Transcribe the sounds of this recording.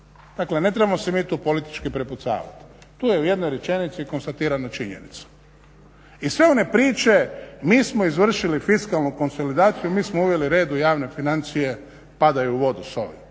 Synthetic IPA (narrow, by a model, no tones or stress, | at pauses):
d̪̥akle̞ne̞t̪ɾe̞bamosemiːt̪uːpo̞lit̪i̥t͡ʃkipɾeput̪sa̰ːʋa̰t̪i̥t̪uːje̞uje̞d̪no̞jɾe̞t͡ʃe̞nit̪siko̞nst̪at̪iːɾanot͡ʃiɲḛnḭt̪sḁ | isʋe̞o̞ne̞pɾiːt͡ʃe̞miːsmo̞izʋr̩ʃilifiskalˠnuko̞nso̞lid̪aːt̪sijumiːsmouʋje̞liɾe̞ːd̪ujaːʋne̞finant̪sije̞ | pad̪ajuuʋo̞d̪uso̰ʋḭ